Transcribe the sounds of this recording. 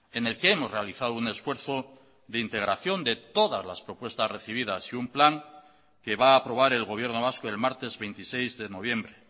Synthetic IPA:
e̞ne̞lkeemo̞zre̞aliθaðoune̞sfwe̞ɾθo̞ | ðeint̪e̞ɣ̞ɾaθjo̞nd̪e̞t̪o̞ðazlaspɾo̞pwe̞st̪azre̞θiβ̞ið̞asiumplaŋ | ke̞βaːpɾo̞β̞aɾe̞lɣo̞βje̞ɾno̞β̞askoe̞lmaɾt̪e̞zβe̞jnt̪ise̞jzðe̞no̞β̞je̞mbɾe

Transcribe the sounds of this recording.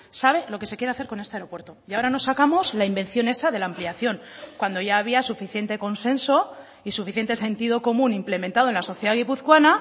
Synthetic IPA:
saβ̞e̞lo̞ke̞se̞kjeɾe̞aθeɾko̞ne̞st̪eaeɾo̞pwe̞ɾt̪o̞jao̞ɾano̞sːakamo̞zlaimbẽ̞n̟θjo̞ne̞saðe̞laːmpliaθjo̞ŋkwand̪o̞ʝaːβ̞iasufiθje̞nt̪e̞ko̞nse̞nso̞ | isufiθjent̪e̞se̞nt̪iðo̞ko̞mũnimple̞mẽ̞nt̪aðonlaso̞θjeðaɣipuθkwana

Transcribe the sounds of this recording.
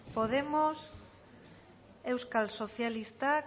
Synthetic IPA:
poð̞emos | ewskalsoθjalist̪a

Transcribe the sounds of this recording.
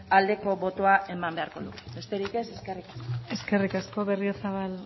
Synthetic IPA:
ald̪e̞ko̞βo̞t̪oaʔe̞mambe̞aɾko̞ðṵɣebe̞st̪e̞ɾike̞se̞ske̞rikḁskoe̞ske̞rikasko̞βe̞riosaβal

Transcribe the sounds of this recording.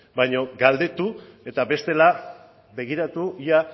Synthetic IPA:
bajɲo̞ɡald̪e̞t̪u | e̞t̪abe̞st̪e̞la | be̞ɣiɾat̪uia

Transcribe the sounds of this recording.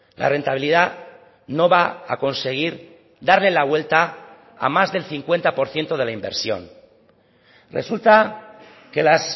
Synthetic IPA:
la̰re̞nt̪aβiliða | no̞βaa̰ko̞nse̞ɣ̞iɾ | d̪aɾle̞laβwe̞lt̪a̰ː | mazðe̞lθiŋkwe̞nt̪apo̞ɾθje̞nt̪o̞ð̞e̞laimbe̞ɾsjo̞̰n | re̞̰sult̪a | ke̞las

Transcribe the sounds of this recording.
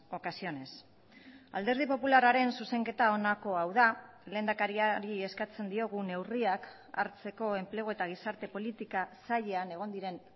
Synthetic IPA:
o̞kasio̞ne̞s | a̰ld̪e̞ɾð̞ipo̞pularaɾe̞nsuse̞ŋke̞t̪ao̞nako̞awða | le̞ːnd̪akaɾiaɾie̞skat͡se̞nd̪io̞ɣune̞wriak | a̰ɾt͡se̞ko̞e̞mple̞ɣo̞e̞t̪aɣ̞isaɾt̪e̞po̞lit̪ikasaʎeane̞ɣ̞o̞nd̪iɾe̞n

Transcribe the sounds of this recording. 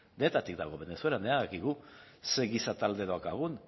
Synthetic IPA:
d̪e̞ːt̪at̪ikd̪aɣ̞o̞βe̞ne̞sue̞lane̞aðakiɣuse̞ɣisat̪ald̪e̞ðoakaɣ̞un

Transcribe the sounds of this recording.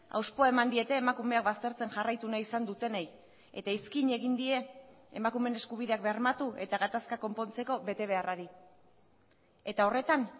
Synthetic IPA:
a̰wspo̞ae̞mand̪ie̞t̪e̞ːmakume̞ak̚bast̪e̞ɾt͡se̞nʝarajt̪unaisand̪ut̪e̞nej | e̞̰t̪aiskiɲe̞ɣind̪ie̞ḛmakume̞ne̞skuβ̞iðe̞ak̚beɾmat̪ue̞t̪aɣat̪askako̞mpo̞nt͡se̞ko̞βe̞t̪e̞β̞e̞araɾi | e̞t̪ao̞re̞t̪an

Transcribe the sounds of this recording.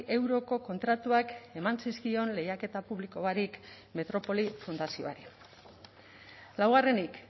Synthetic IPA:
ʔe̞wɾo̞ko̞ko̞nt̪ɾat̪uake̞mansiskio̞nle̞jake̞t̪apuβliko̞βaɾik | me̞t̪ɾo̞po̞lifund̪asio̞̰a̰ɾi | lawɣ̞are̞nik

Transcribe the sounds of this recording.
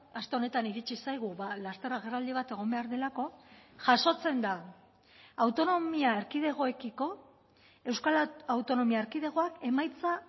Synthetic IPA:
ast̪e̞o̞ne̞t̪aniɾit͡ʃisajɣ̞uβalast̪e̞raɣ̞erald̪iβ̞at̪e̞ɣ̞o̞mbe̞aɾðe̞lako̞ʝaʃo̞t͡se̞nd̪aː | wt̪o̞nomiaeɾkið̞e̞ɣ̞o̞e̞kiko̞ | e̞wskalawt̪o̞no̞miaeɾkið̞e̞ɣ̞o̞ake̞majt͡sa

